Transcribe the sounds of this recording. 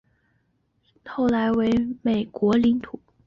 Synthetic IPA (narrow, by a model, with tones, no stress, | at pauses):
xo˥˩ʊla˧˥ɪwe˧˥ɪme˨˩ɪkwɔ˧˥li˧˥ŋt̪ʰu˨˩˦